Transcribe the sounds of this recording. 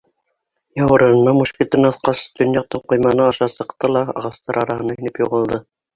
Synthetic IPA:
jɑwɤ̆ɾɤ̆nɤ̆nːɑmuʃkʲit̪ɤnɑθqɑsd̪ɵ̆njɑq̚t̪ɤɴqŏjmɑnɤɑʃɑsɤ̆qt̪ɤlˠɑɑ̰ʁɑst̪ɑɾɑɾɑhɤ̆nɑinɘpjuʁɤ̆lˠd̪ɤ

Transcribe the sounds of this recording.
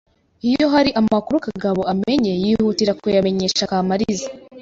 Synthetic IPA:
ijo̞ɦaɾiʔamakuɾukaɡaβo̞ame̞ɲe̞jiːhutiɾakujame̞ɲe̞ːʃakaːmaɾiza

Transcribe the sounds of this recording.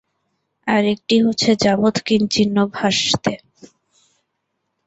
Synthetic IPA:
aɾek̚ʈiɦotːɕʰed͡ʑabot̪kint͡ɕinːobʱaʃt̪e

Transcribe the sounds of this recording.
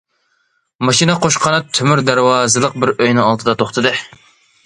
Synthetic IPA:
mɑʃinɨqʰoʃqʰɑnɨt̪ʰymyɾd̪æɾwɑːzɨlˠəq̚bɪɾøjnɨɑlˠd̪ʰɨd̪ɑt̪ʰoχt̪ʰɨd̪ɨ

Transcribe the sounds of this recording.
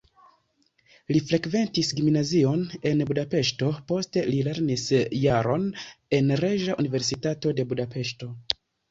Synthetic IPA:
lifɾe̞kve̞ntisɡimnazio̞ne̞nbudape̞ʃto̞po̞ste̞lile̞ɾnisjaɾo̞ne̞nɾeʒaʔunive̞ɾsitato̞de̞budape̞ʃto̞

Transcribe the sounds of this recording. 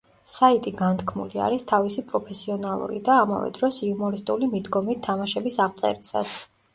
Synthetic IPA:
sait̪ʼiɡant̪ʰkʰmṵlia̰ɾist̪ʰavisipʼɾɔpʰɛsiɔnalˠṵɾḭd̪aːma̰vɛ̰d̪ɾɔsiumɔɾist̪ʼulimid̪ɡɔmit̪ʰːamaʃɛbisaʁt̪sʼɛ̰ɾisa̰t̪s

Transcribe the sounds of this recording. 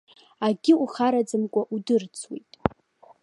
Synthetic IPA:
aɡʲɪuχaɾad͡zɨmkʷʼaʔudɨrt͡sʰwḛjtʼ

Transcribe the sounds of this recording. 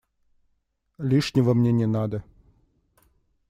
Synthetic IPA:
lʲiʂnʲɪvəmnʲenʲɪnad̪ə

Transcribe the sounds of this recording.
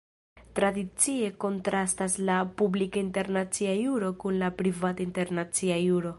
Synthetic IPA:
tɾadit͡sie̞ko̞ntɾastaslapublikainte̞ɾnat͡siajuɾo̞kunlapɾivatainte̞ɾnat͡siajuɾo̞

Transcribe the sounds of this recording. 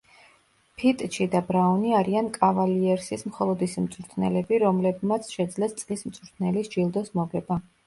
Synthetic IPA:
pʰit̪ʼt͡ʃid̪abɾaɔniaɾiankʼavaliɛɾsismχɔlˠɔd̪isimt̪sʼɾt̪ʰnɛ̰lɛbiɾɔmlɛbmat̪sʰʃɛd̪zlɛst̪sʼlismt̪sʼuɾt̪ʰnɛlisd͡ʒilˠd̪ɔsmɔɡɛba

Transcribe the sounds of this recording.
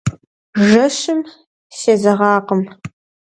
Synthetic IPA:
ʒɐʂɨm | seːzɐʁɑːqəm

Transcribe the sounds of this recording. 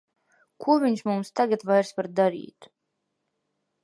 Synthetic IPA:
kʰuɔvʲiɲʃmumst̪aɡat̪vajɾspaɾd̪aɾḭːt̪

